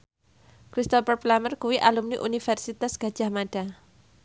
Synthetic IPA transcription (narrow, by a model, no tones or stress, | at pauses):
kɾist̪ɔpərplamərkuwiʔalumniʔunifɛrsit̪asɡ̥a̤̥d͡ʒ̥ahmaɖ̥a